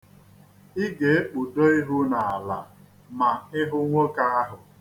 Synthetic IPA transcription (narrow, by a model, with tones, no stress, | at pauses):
i˦ɡe˨e˦k͡pu˨do˦i˦ɦu˦na˨a˨la̰˨ | ma˨ɪ˦ɦʊ˦ŋʷo˦ka˦a˦ɦʊ˨